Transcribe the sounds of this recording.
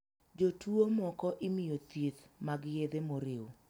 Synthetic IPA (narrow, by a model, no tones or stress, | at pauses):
d͡ʒotuomɔkɔʔɪmɪjot̪it̪maɡjed̪emoɾɪwo